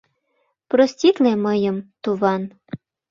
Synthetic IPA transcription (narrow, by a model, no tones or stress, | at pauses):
prosʲtʲit̪lemɤjəmt̪uβɑn